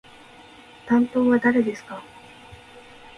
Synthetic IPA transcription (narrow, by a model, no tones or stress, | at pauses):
t̪ãnt̪o̞ːβad̪aɾe̞d̪e̞sɨ̥ka